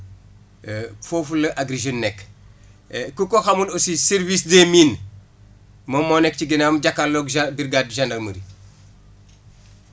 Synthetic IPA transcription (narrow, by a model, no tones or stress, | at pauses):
foːfulɐʔaɡɾiʒonːɛk | kukoxamunosiseɾvisdemiːn | mɐmːonɛk̚ciɡinaːmɟakːalːoɡbiɾɡadʒandɐɾməɾi